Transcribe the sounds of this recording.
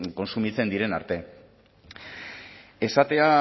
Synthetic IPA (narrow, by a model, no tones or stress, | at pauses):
ko̞nsumit͡se̞nd̪iɾe̞naɾt̪e̞ | e̞sat̪e̞a